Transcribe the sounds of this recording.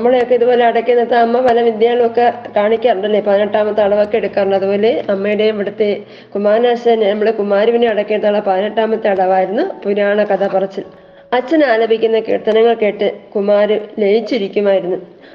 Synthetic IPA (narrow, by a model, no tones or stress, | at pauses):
nɐmːɐɭejokːeiðubo̞ːle̞ɐɽɐkʲːenːɐt̪ːɐɐmːɐʋɐlɐʋid̪jaːɭmo̞kːekaːɳikʲːaːrɐɳɖɐlːepɐðinɐʈːaːmɐt̪ːɨɐɽɐʋo̞kːeeɽukːaːrɐɳɖɐðubo̞ːle̞ɐmːɐjiɽe̞ʋiɽɐt̪ːe̞ | kumaːɾnaːɕɐnenɐmːɐɭekumaːɾuʋineɐɽɐkːet̪ːaːɭːɐpɐðinɐʈːaːmɐt̪ːɨɐɽɐʋaːjiɾunːupuɾaːɳɐkɐd̪ɐpɐrɐt͡ɕːil | ɐt͡ɕːɐnaːlɐbʱikʲːunːɐkḭːrt̪ːɐnɐŋːɐɭke̞ːʈːɨkumaːɾɨlejit͡ɕːiɾikʲːumaːjiɾunːu